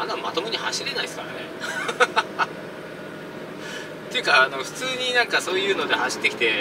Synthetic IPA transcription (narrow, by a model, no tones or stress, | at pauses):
anːammat̪o̞mɯɲ̟iha̰ɕiɾe̞naisɨ̥kaɾa̰ne̞ | t̪e̞jɯ̟kaːno̞ɸɯ̟̥t͡sɨːɲ̟inãŋkaso̞ːjɯ̟ːno̞d̪e̞haɕi̥t̪ːe̞kʲi̥t̪e̞